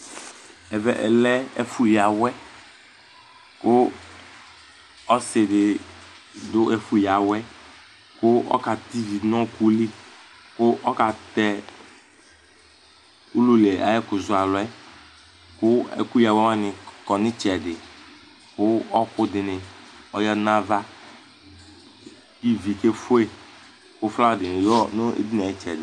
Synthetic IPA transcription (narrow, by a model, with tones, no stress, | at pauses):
ɛ˨vɛ˨ʔɛ̰˨lɛ˦ɛ̰˦fu˨ja˨wɛ˦ | kʊ˦ | ɔ˦sɪ˨dɪ˨ | dʊ˦ʔɛ˨fu˨ja˨wɛ˦ | kʊ˦ɔ̰˦ka˨t̪i˦vi˨nɔ̃˦ku˦li˦ | kʊ˦ʔɔ˦ka˨t̪ɛ˦ | u˦lu˦le˨a̰˨jɛ˦kʊ˨zʊ˨a˨lɔ˨ɛ˦ | kʊ˦ɛ̰˨ku˦ja˨wwa˦nɪ˨kɔ˨nɪ˦t͡ʃɛ˨dɪ˨ | kʊ˦ɔ˦kʊ˦dɪ˨nɪ˨ɔ˨jɔ˦na˦va˦ | i˦vi˨ke˦fʊ˦e˦ | kʊ˦fla˦˨dɪ˨nɪ˨ɔ˦nʊ˦ḛ˦di˦na˨i˦t͡ʃɛ˨dɪ˨